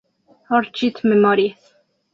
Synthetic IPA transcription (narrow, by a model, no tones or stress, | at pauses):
hɑɾt͡ʃʰit̪ʰmɛmɑɾi